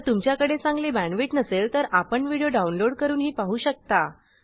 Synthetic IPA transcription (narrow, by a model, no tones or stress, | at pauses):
t̪umt͡ɕjakəɽet͡sãŋɡlebæɳʋiːʈnəselt̪əɾapəɳʋiɽjoɖaunloɽkəɾuːnɦiːpaɦuːɕək̚t̪a